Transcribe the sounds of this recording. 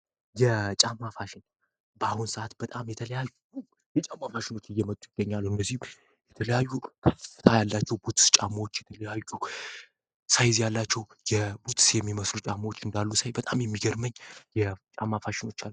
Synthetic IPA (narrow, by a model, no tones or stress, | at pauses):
jɛt͡ʃʼamːafaʃɪn | bəahunsəʔat̪bət̪ʼamjɛt̪ʰələjaj | u | jɛt͡ʃʼamːafaʃɪno̞t͡ʃːɨjːɛmət̪ʼujɪɡ̥ːəɲːalːuɨndːəzːihm | jɛt̪ʰələjajːukʰəfɨ̥t̪ʰajalːat͡ʃːɛwbut̪st͡ʃʼamawot͡ʃːjɛt̪ʰələjajːu | sajzjalːat͡ʃːɛw | jɛbut̪ʰsjɛmːiməslut͡ʃʼamawot͡ʃːɨnd̪alːusajbət̪ʼamjɛmːiɡəɾməɲːjɛt͡ʃʼamːafaʃɪno̞t͡ʃːalː